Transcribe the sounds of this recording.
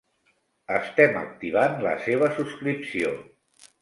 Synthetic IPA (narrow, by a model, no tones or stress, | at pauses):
əst̪ɛmə̰k̚t̪iβ̞anlə̰seβ̞əsuskɾipsio